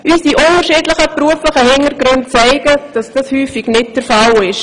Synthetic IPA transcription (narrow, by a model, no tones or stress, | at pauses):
ʔysdiʔʊntəɾʃiːdlɪχəpruəflɪχəhɪŋəɾɡɾʏntt͡sɛɪɡ̥əd̥ɑsd̥ɑshyːfɪɡnɪt̚d̥əɾfalɪʃ